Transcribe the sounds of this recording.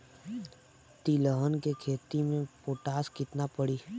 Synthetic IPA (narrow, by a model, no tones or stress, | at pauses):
t̪iləɦənkekʰeːt̪imẽpoːʈaːskɪt̪napəɽiː